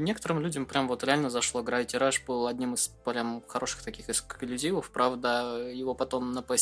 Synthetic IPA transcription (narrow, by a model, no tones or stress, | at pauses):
nʲekə̥t̪əɾɨmlʲudʲəmpɾʲamvo̞t̪ɾʲɪalʲnəzɐʂlˠo̞ɡɾavʲɪtʲɪɾaʂbɨlˠɐdʲnʲimɨspɾʲamxɐɾo̞ʂɨ̥xt̪ɐkʲixɪsklʲʉzʲivəfpɾavd̪əjɪvo̞pɐt̪o̞mnəpɐ